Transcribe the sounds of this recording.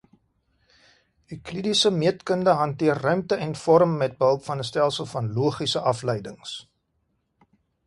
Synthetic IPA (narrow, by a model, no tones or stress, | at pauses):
ɦiklidisəmiətkəndəɦɐntiərːœɥmtəʔɛnfɔɾəmːɛt̚bəɦəlˠpfɐnəstælˠsəlˠfɐnluəχisəʔɐfləjdəŋs